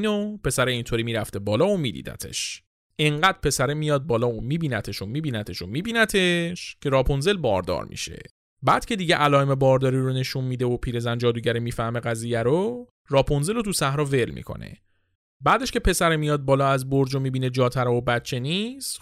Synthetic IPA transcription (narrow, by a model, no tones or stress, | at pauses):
nopʰe̞sæɾeint̪ʰoɾimiːɾæft̪e̞bɒːlɒːomḭːd̪ḭːd̪æ̰t̪ʰe̞̰ʃ | ʔeŋɢæːd̪̥̚pʰe̞sæɾemijɒːd̪̚bɒːlɒːomiːbiːnæt̪ʰeʃomiːbiːnæt̪ʰe̞ʃomiːbiːnæt̪ʰe̞ʃcʰe̞ɾɒːpʰonze̞lbɒ̰ːɾd̪ɒ̰ːɾmḭʃḛ | bæːd̪̥cʰe̞d̪iːɟeʔælɒːeme̞bɒːɾd̪ɒːɾiːɾone̞ʃunmiːd̪eopʰiːɾe̞zænd͡ʒɒːd̪uːɟæɾimiːfæhme̞ɣæziːjæɾo | rɒːpʰonze̞lot̪ʰusæhɾɒːve̞lmḭkʰo̞̰nḛ | bæːd̪eʃcʰe̞pʰe̞sæɾemijɒːd̪̚bɒːlɒːæzboɾd͡ʒomiːbiːned͡ʒɒːt̪ʰæɾɒobæt̪t͡ʃʰːe̞niːs